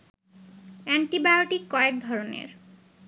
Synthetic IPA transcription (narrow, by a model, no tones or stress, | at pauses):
ɛɳʈibajoʈikːɔek̚d̪ʱɔɾonḛɾ